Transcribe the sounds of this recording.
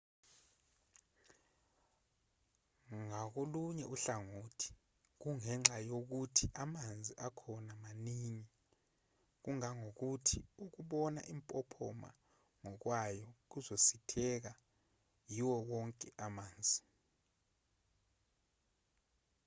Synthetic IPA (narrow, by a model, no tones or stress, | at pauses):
ŋak̬oluɲɛuɬaŋotʰi̥ | k̬uŋɛŋ͡ǁajok̬utʰiʔamand͡zʱiʔakʰɔnamaniŋi | k̬uŋaŋok̬utʰiuk̬uɓɔna̰ʔimpʼɔpʰɔma̰ | ŋɔk̬wajɔk̬uzositʰɛk̬a | jiwɔwɔŋkʼɛʔamaːnd͡zʱi